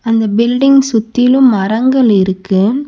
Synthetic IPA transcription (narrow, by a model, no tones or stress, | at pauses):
ɐnd̪ɐbɪlɖɪŋɡsʊt̪ːɪlɯmɐɾɐŋɡɐɭɪɾɯkːɯ